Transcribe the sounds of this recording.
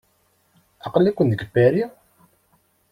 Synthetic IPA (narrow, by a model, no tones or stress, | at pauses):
ɑqəlːækʷːənd̪əɡbæɾi